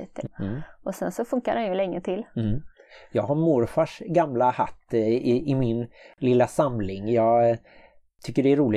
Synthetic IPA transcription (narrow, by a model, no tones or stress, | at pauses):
t̪ʰəʔɔsɛnsɔfɵŋkaɾanjɵlɛŋːət̪ʰɪlː | jɑːɡhaɾmʊɾfaʂɡamlaha̰t̪ːɪɪmɪnlɪlːasamlɪŋjɑːɡ | t̪ʰʏkːəɖɛːɾuːlɪ